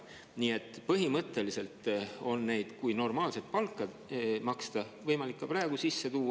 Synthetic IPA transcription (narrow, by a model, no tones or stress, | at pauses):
niːe̞t̪ːˑpɤɦimɤt̪ːˑe̞lise̞lt̪ˑo̞nne̞jd̪̥kujno̞rmɑːlse̞t̪̚pɑlkːˑɑd̪mɑkst̪ɑvɤjmɑlikːɑprɑeɡ̥usisːe̞t̪uː